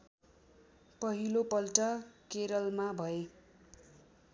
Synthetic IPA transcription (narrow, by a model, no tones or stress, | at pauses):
pʌɦilopʌlʈʌkeɾʌlmabʱʌe